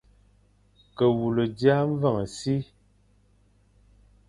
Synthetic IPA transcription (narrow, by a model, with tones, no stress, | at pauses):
kə˨wu˨lə˨dja˦ɱ˦və˦˨ŋə˨si˦